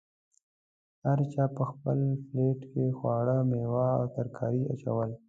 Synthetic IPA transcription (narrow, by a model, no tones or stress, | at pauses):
haɾt͡ʃɑːpəxpəlfleʈkexwɑɽəmewɑa̰wt̪aɾkʰɑ̰ɾia̰t͡ʃa̰wəl